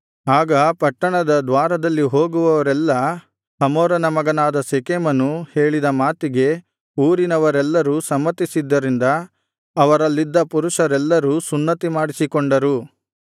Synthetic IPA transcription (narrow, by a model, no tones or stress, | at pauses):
aːɡɐpɐʈːɐɳɐd̪ɐd̪ʋaːɾɐd̪ɐlːiɦoːɡuʋɐʋɐɾɛlːɐ | hɐmoːɾɐnɐmɐɡɐnaːd̪ɐsekemɐnːuhe̞ːɭid̪ɐmaːt̪iɡe̞ | uːɾinɐʋɐɾɛlːɐɾusɐmːɐt̪isid̪ːɐɾind̪ɐː | ʋɐɾɐlːid̪ːɐpuɾuʂɐɾɛlːɐɾusunːɐt̪imaːɽisikɔɳɖɐɾu